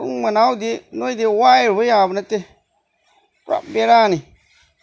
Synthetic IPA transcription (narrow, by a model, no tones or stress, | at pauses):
ṵmanaudenoidewajiɾbujabnate | ɾa̰beɾani